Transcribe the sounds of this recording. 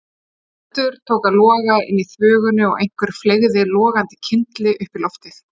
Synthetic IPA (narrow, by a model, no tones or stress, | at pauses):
a | t̪ʏɾ̥t̪ʰoːwkalɔːɣaɪ̰nːiθvœːɣʏnʏɔ̰ɣḛjŋ̥kvɛɾ̥fleɣðɪlɔːɣant̪ɪ̥cʰɪnt̪lɪʔʏhpilɔft̪ɪθ